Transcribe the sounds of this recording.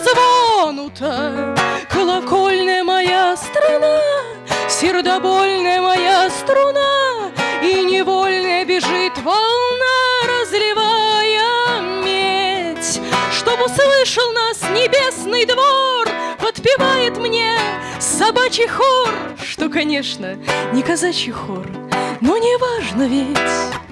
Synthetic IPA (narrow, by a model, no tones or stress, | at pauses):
zvonʊt̪ə | kəlˠɐkolʲnəjəmɐjast̪ɾana | sʲɪrd̪ɐbolʲnəjəmɐjast̪ɾʊna | inʲɪvolʲnəjəbʲɪʐɨt̪vɐlˠnaɾəzlʲɪvajəmʲetʲʂt̪obʊslˠɨʂəlˠnasnʲɪbʲe̞snɨjd̪vorpət̪pʲɪvajɪt̪mnʲe̞ | sɐbat͡ɕɪjxorʂt̪okɐnʲeʂnənʲɪkɐzat͡ɕɪxor | nonʲɪvaʐnəvʲɪtʲ